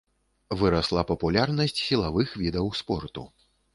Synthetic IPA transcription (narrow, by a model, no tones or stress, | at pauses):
vɨɾaslˠapɐpulʲarnɐsʲt͡sʲsʲilˠavɨxvʲid̪ɐwspɔrt̪ṵ